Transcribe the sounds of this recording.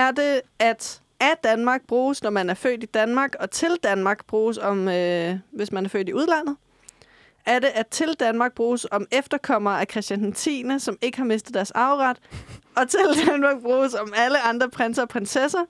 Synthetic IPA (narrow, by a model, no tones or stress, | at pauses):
æɐd̥e̝æd̥ | ʔæd̥ænmɑ̈ːɡ̥̚b̥ʁuːsnɒmænæɐfø̰ːd̥id̥ænmɑ̈ːɡ̥ɒ̽t͡sʰe̝ld̥ænmɑ̈ːɡ̥̚b̥ʁuːsɒ̽møʋe̝smænæɐfø̰d̥iuð̞ˠlæn̰ð̩ˠ | æɐde̝ʔæt͡sʰe̝ld̥ænmɑ̈ːɡ̥̚b̥ʁuːsɒ̽mefd̥ɐkʰɒ̽m̰ɐːækʰʁɛsd̥jænt͡sʰḭːnəsɒ̽me̝ɡ̥əhɑ̈me̝sd̥ð̩ˠd̥æɐsɑ̈ʊʁɑd̥ɒ̽t͡sʰe̝ld̥ænmɑ̈ːɡ̥̚b̥ʁuːsɒ̽mæləɑ̈nd̥ʁɐpʰʁensɐɒpʰʁensesɐ